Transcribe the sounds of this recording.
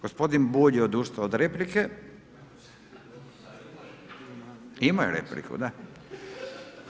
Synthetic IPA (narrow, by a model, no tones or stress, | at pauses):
ɡ̥ospod̪inbuʎeod̪uːʃt̪aod̪ɾeplike | imajeɾḛplḭkṵd̪a